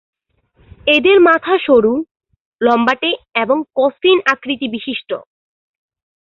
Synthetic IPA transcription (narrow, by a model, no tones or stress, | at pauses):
ed̪eɾmat̪ʰaʃoɾu | lɔmbaʈeeboŋkɔsinakɾit̪ibiʃiʃʈo̰